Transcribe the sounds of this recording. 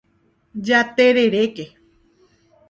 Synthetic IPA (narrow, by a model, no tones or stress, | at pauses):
d͡ʒat̪eɾeɾeke